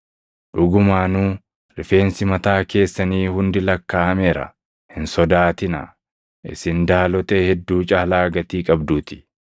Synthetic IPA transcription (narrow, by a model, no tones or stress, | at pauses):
ᶑʊɡʊmaːnuː | ɾɪfe̞ːnsɪmɐt̪aːke̞ːsːɐniːhʊnd̪ɪlɐkːaːɐmeːɾɐ̰ | hɪnsɔd̪aːt̪ɪnɐ̰ | ʔɪ̰sɪnd̪aːlɔt̪ehɛd̪ːuːt͡ʃʼɐhlaːɡɐt̪iːkʼɐbd̪uːt̪ɪ̥